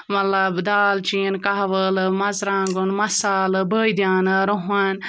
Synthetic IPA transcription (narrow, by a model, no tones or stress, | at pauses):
mɐlɐbd̪aːlt͡ʃiːnkaɦʋəlmɐzɾaːŋɡunmɐsaːlɨbəːjd̪jaːnɨɾoɦan